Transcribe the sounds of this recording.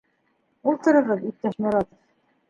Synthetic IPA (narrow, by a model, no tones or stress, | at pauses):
ulˠt̪ɤ̆ɾɤ̆ɾʁɤðit̪̚t̪æʃmuɾɑt̪ɤ̆f